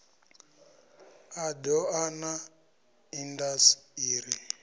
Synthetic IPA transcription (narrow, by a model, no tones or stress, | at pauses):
adɔana | indasiːɾi